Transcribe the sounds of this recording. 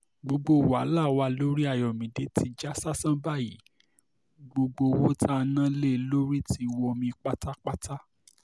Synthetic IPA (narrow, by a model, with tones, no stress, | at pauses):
ɡ͡bo˧ɡ͡bo˧˨wa˨˦la˦˨wa˧lo˦ɾi˦a˦˨jɔ˨mĩ˨de˨˦tʰi˧d͡ʒa˦sa˦sã˦ba˦˨ji˨˦ | ɡ͡bo˧ɡ͡bo˧wo˦tʰa˦˧nã˦le˦˨lo˦ɾi˦ti˧˦˧wɔ˧mĩ˧k͡pa˦ta˦k͡pa˦ta˦